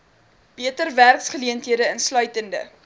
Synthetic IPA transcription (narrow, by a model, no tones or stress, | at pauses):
b̥iətərværksχəliəntɦiədəənslœɥtəndə̰